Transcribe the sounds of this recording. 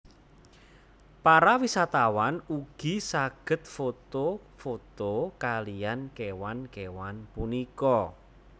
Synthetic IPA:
paɾawisat̪awanuɡ̥i̤saɡ̥ə̤t̪fot̪o | fot̪okalijankewankewanpunikɔ

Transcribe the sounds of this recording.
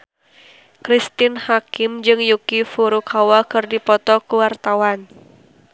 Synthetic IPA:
kɾist̪ɪnhakɪmd͡ʒɨŋjukifuɾukʰawakɨrdipɔt̪ɔkuwart̪awan

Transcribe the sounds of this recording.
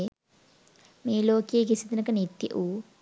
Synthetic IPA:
miːloːkeːkisid̪inɐkɐnit̪jɐ̰ʔuː

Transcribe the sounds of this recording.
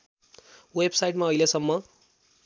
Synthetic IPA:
websajʈmaʌilesʌmːʌ

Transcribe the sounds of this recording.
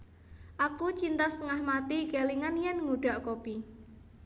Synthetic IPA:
ʔakut͡ʃint̪ast̪əŋahmat̪iɡ̥aliŋanjɛnŋuɖ̥a̤ʔkopi

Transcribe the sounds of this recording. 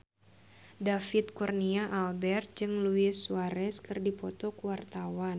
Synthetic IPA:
dafit̪̚kurniaʔalbɛrt̪̚d͡ʒɨŋluɪsuaɾɛskɨrdipɔt̪ɔkuwart̪awan

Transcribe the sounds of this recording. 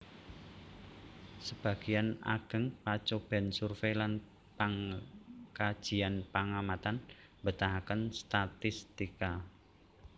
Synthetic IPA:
səb̥a̤ɡ̥iana̰ɡ̥ə̤ŋpat͡ʃob̥ɛ̤nsurfelan | paŋ | kḁʒ̥i̤anpaŋamat̪an | mbət̪aɦakənst̪at̪ɪst̪ika

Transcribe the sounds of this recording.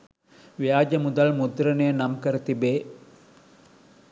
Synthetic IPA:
ʋijaːd͡ʒəmud̪ɐlmud̪ɾənejənamkəɾət̪ibeː

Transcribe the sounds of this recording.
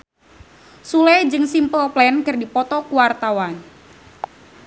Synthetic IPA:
sulɛd͡ʒɨŋsimpəlplɛnkɨrdipɔt̪ɔkuwart̪awan

